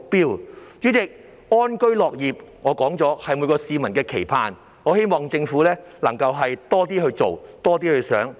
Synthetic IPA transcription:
k̚piː˥wt͡ʃy˨˥t͡sɪ˨k̚ | ŋɔː˥nkɵ˥ɥlɔː˨k̚jiː˨p̚ŋɔː˨˧kɔː˨˥ŋt͡sɔː˨˥hɐ˨jmu˨˧˥kɔː˧siː˨˧mɐ˨˩nkɛː˧kʰe˨˩jpʰaː˧n | ŋɔː˨˧he˥jmɔː˨ŋt͡sɪ˧ŋfuː˨˥lɛː˥lɐ˨˩ŋkɐ˧wɦɐ˨jt̪ɔː˥t̪iː˥hɵ˧t͡so˨wt̪ɔː˥t̪iː˥hɵ˧ɥsœ̰ː˨˥ŋ

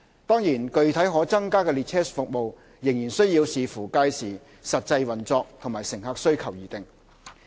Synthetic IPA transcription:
t̪ɔː˥ŋjiː˨˩nkɵ˧ɥt̪ʰɐ˨˥jɦɔː˨˥t͡sɐ˥ŋkaː˥kɛː˧liː˧t̚tʰɛː˥sfʊ˨k̚mo˨w | jɪ˨˩ŋjiː˨˩nsɵ˥ɥjiː˧wsiː˨fuː˨˩kaː˧jsiː˨ | sɐ˨t̚t͡sɐ˧jwɐ˨nt͡sɔː˧k̚t̪ʰʊ˨˩ŋmaː˨˩jsɪ˨˩ŋhaː˧k̚sɵ˥ɥkʰɐ˨˩wjiː˨t̪ɪ˨ŋ

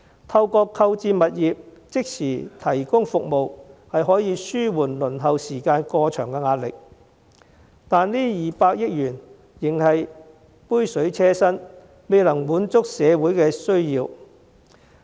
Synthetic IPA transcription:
t̪ʰɐ˧wkɔː˧kʰɐ˧wt͡siː˧mɐ˨t̚jiː˨p̚t͡sɪ˥k̚sʰiː˨˩t̪ʰɐ˨˩jkʊ˥ŋfʊ˨k̚mo˨whɐ˨jɦɔː˨˥jiː˨˧syː˥wuː˨˩nlɵ˨˩nɦɐ˨wsiː˨˩kaː˧nkɔː˧t͡ʃʰœː˨˩ŋkɛ˧ŋaː˧t̚lɪ̰˨k̚ | t̪aː˨nliː˥jiː˨paː˧k̚jɪ˥k̚jyː˨˩n | jɪ˨˩ŋhɐ˨j | puː˥jsɵ˨˥ɥt͡sʰɛː˥sɐ˥n | me˨jlɐ˨˩ŋwuː˨˥nt͡sʊ˥k̚sɛː˨˧wuː˨˥jkɛː˧sɵ˥ɥjiː˧w

